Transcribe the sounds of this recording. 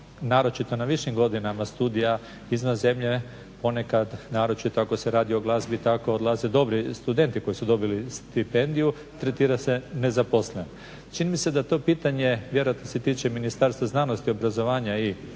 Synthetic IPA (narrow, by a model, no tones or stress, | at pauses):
naːɾo̞t͡ʃit̪o̞naʋiʃimɡo̞d̪inamast̪uːd̪ija | izmazemʎe̞ | po̞ne̞kad̪naːɾo̞t͡ʃit̪oako̞seɾaːd̪io̞ɡlˠaːzbit̪ako̞od̪lˠaːze̞d̪o̞bɾist̪ud̪e̞nt̪iko̞jisud̪o̞bilist̪ipe̞nd̪iju | t̪ɾet̪iːɾase̞ne̞zapo̞sleno | t͡ʃinimise̞d̪at̪o̞piːt̪aɲe̞ʋje̞ɾoat̪noset̪iːt͡ʃe̞minist̪aɾst̪ʋaznaːno̞st̪io̞bɾazo̞ʋaːɲai